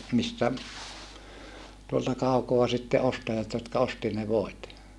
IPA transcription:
mistæ tuoltɑ kɑukoɑ sitːe ostɑjɑt jotkɑ osti ne ʋoit

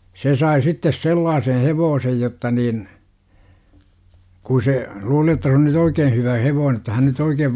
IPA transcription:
se sɑi sitːes selːɑːseh heʋoːsej jotːɑ nin ku se luːli jotːɑ se on nyt oikeː hyʋæ heʋoːne ə̆tːɑ hæn nyt oikeːʋ

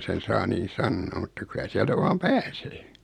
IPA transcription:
sen sɑː niːn̞ sɑnːoː mutːɑ kylæ siæltæ ʋɑːm pæːseː

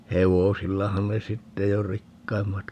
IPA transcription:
heʋosilːɑhɑn ne sitːe jo rikːɑimːɑt

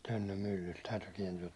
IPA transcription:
tønːøm mylːylt tæytyː kiɛntyæ

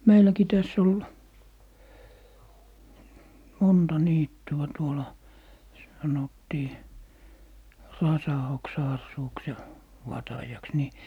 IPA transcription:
meilæki tæsː ol montɑ niːtːyɑ tuolɑ sɑnotːiː rɑsɑoksɑɑsːuːks jɑ ʋɑtɑjɑks ni

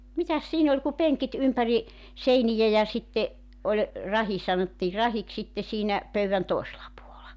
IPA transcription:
mitæs siːn olʲ ku peŋkit ympæri seinijæ jɑ sitːe olʲ rɑhi sɑnotːiː rɑhiks sitːe siːnæ pøyʋæn toˑeselɑ puolɑ

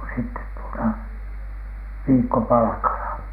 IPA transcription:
sitːet tuotɑ ʋiːkːopɑlɑ̆kɑlɑ

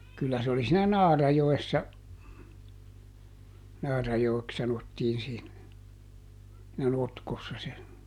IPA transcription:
kylːæ se oli siːnæ nɑːrɑjoesːɑ nɑːrɑjoeks sɑnotːiːn siːn næ notkosːɑ se

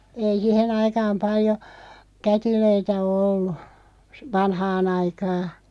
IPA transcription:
ei sihen ɑikɑːm pɑljo kætiløitæ o olːu s ʋɑnhɑːn ɑikɑː

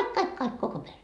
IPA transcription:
kɑik kɑik koko pere

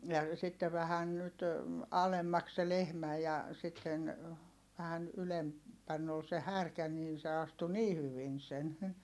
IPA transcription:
jɑ sitːe ʋæhæn nyt ɑlemːɑks se lehmæ jɑ sitːen ʋæhæn ylem pænː ol se hærkæ niːn se ɑstu niː hyʋin sen

